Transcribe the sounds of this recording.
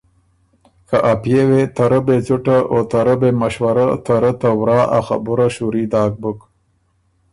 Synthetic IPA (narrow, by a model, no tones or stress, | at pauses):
kaʔapjewet̪ɐɾəbet͡suʈaʔot̪aɾəbemɐɕwaɾat̪aɾət̪awɾɑːʔa̰xa̰buɾaɕuɾiːd̪ɑːk̚buk